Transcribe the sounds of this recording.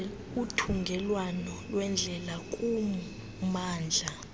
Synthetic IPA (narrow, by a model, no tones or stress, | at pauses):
utʰuŋɡʱɛlwanɔlwɛnd͡ɮʱɛlakʼumu | maːnd͡ɮʱa